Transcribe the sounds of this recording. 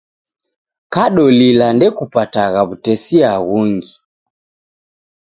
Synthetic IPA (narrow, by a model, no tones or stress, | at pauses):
kaɗɔlilandɛkupataɣaβutɛsiaɣuŋɡi